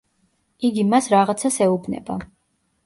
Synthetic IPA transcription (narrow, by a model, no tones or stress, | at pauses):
iɡimasɾaʁat̪sʰasɛubʰnɛ̰ba̰